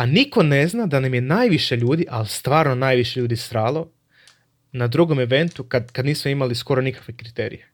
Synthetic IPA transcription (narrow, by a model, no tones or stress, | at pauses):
aniko̞ne̞znad̪anamjenaːjʋiʃeʎuːd̪iʔalist̪ʋaːɾno̞naːjʋiʃe̞ʎuːd̪ist̪ɾaːlˠo̞ | nad̪ɾuɡo̞meʋe̞nt̪ukad̪kad̪niːsmoimalisko̞ɾo̞nikḁkʋe̞kɾit̪eːɾḭje